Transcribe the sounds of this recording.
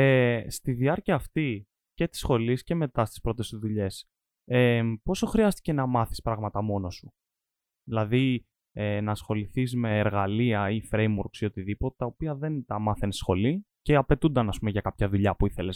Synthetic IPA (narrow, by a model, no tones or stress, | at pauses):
est̪iðiɐɾciɐːft̪i | ce̞t̪i̥sxo̞lisce̞me̞t̪ɐst̪i̥spɾo̞t̪est̪uðuʎe̞s | epo̞so̞xɾiɐst̪i̥ce̞nɐmɐθispɾɐɣmɐt̪ɐmo̞no̞su | ðilɐði | enɐːsxo̞liθizme̞ːɾɣɐliɐifɾe̞jmuɾksiot̪iðipot̪e̥t̪ɐopiɐðe̞nt̪ɐmɐθensxo̞li | ce̞ɐpe̞t̪und̪ɐnɐspumeʝɐkɐpçɐðuʎɐpuiθe̞les